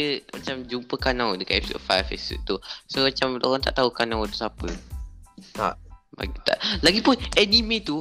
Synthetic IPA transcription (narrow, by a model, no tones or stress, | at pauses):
əmat͡ʃamd͡ʒumpəkanãwdəkaʔɛpisɔ̰ɔ̰fajfɛ̰sṵʔt̪usomat͡ʃamloɣaŋt̪a̰ʔt̪aukanãwt̪usapə | t̪a̰ʔba̰ɡit̪a̰ʔlaɡipʊnɛnimẽt̪u